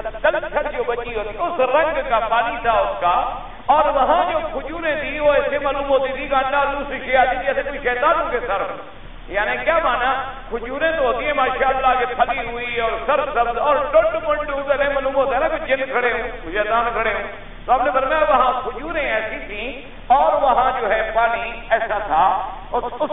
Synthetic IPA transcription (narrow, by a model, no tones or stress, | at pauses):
kəlt͡ʃʰəɽd͡ʒoːbət͡ʃiːɦoːt̪iʊsɾə̃ŋɡkaːpaːniːt̪ʰaːʊskaː | ɔːɾʋəɦãːd͡ʒoːkʰʊd͡ʒuːɾẽːt̪ʰiːoːɛːsemaːluːmɦoːt̪iːt̪ʰiːkãːnlaːd̪uːsɾiʃeːaːt̪iːt̪ʰiɛːsẽːkoiʃɛːt̪aːnɦõːkeːsəɾ | jaːnẽːkjaːmaːnaːkʰʊd͡ʒuːɾẽːt̪oːɦoːt̪iːẽːmãːʃaːllaːkeːpʰəliːɦʊiːɔːɾsəɾbsəbɔːɾʈəɳʈməɳɖũːt̪eːnẽːmaːluːmɦoːd̪aːnãːkoid͡ʒɪnkʰəɽeːɦõːʃɛːt̪aːnkʰəɽeːõː | t̪oːaːpnẽːbəɾmaːʋəɦãːkʰʊd͡ʒuːɾẽːɛːsĩːt̪ʰiː | ɔːɾʋəɦãːd͡ʒoːɦɛːpaːniːɛːsaːt̪ʰaː | ʊ